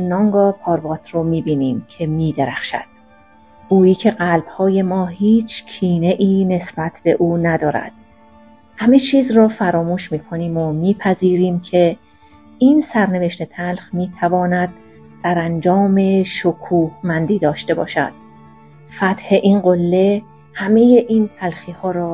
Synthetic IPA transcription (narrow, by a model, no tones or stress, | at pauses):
nɒŋɡɒːpʰɒːɾbɒːt̪ʰroːmiːbiːniːmcʰe̞miːd̪eɾæxʃæ̰d̪̥̚ | ɡ̥uːjiːcʰe̞ɢælb̥hɒːje̞mɒːhiːt͡ʃʰcʰiːne̞ʔiːne̞sb̥æt̪ʰb̥e̞ʔuːnæd̪ɒːɾæ̰d̪̥̚ | hæme̞t͡ʃʰiːzrɒːfæɾɒːmuːʃmiːkʰo̞niːmomiːpʰæziːɾiːmcʰe̞ | insæɾne̞ve̞ʃt̪e̞t̪ʰælxmiːt̪ʰævɒːnæd̪̥̚ | sæɾænd͡ʒɒːme̞ʃokʰuːhmænd̪iːd̪ɒːʃt̪e̞bɒ̰ːʃæ̰d̪̥̚ | fæt̪he̞ʔinɢolːe̞ | hæme̞jeʔiːnt̪ʰælxiːhɒːɾɒː